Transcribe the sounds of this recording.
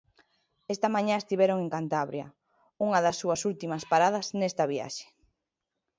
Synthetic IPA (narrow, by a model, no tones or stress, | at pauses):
est̪ɐmaɲãest̪iβɛɾoŋeŋkant̪aβɾjɐ̰ | uŋɐðɐsːuɐsult̪imɐspaɾað̞ɐsnɛst̪ɐβia̰ʃe̥